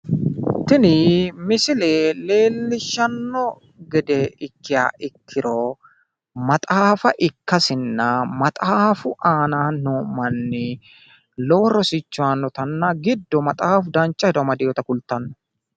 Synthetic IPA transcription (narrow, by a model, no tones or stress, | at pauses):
t̪ɪnɪmɪsɪleːle̞ːlːɪʃːɐnːɔ | ɡɛd̪ɛɪkːɪja̰ːʔɪkʰːɪɾɔ | mɐt̪ʼaːfɐʔɪkːɐsɪnːɐmɐt̪ʼaːfʊʔaːnaːnnoːmɐnːɪ | lɔwɾɔsɪt͡ʃːʊwaːnːɔt̪ɐnːɐɡɪd̪ːɔmɐt̪ʼaːfʊd̪ɐnt͡ʃʼːɐhɛd̪ɔmɐd̪ɪjɔt̪ɐkʊlt̪ːɐnːɔ̥